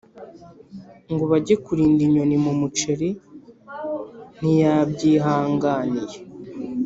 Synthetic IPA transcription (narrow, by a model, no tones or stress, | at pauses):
ŋɡoβaɟekuɾiːndiɲo̞nimumut͡ʃe̞ɾi | n̥ijabɟiːɦaːŋɡaːnije